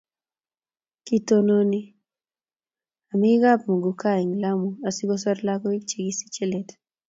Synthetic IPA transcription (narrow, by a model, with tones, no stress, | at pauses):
ki˦to˦no˦ni˦ | a˨mi˦ɡa˦p̚mo˨ɡu˨ka˦˨i˨ŋla˦mu˨a˨si˦ko˦sa˦ɾla˦kɔ˦i˦k̚t͡ʃi˨ɡi˦si̥˦t͡ʃe˦le˨t